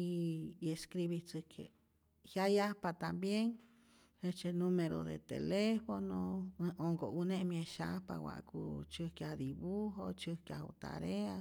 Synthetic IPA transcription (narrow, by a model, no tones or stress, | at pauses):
ieskɾiβit͡sɨkʰḛ | hjajapat̪ambjeŋ | het͡ʃenũmeɾo̰ðḛt̪ḛlefonõoŋɡounẽʔmj̃eʃapa̰wa̰ʔkut͡ʃɨkjad̪iβuɦot͡ʃɨkjaṵt̪a̰ɾea